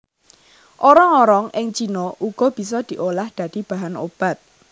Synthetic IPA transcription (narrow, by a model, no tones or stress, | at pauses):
ʔoɾɔŋoɾɔŋɪŋt͡ʃinɔʔuɡ̥ɔ̤b̥i̤s̬ɔd̪̥i̤ʔolahd̪̥ä̤d̪̥i̤b̥ä̤ɦano̰b̥a̤t̪̚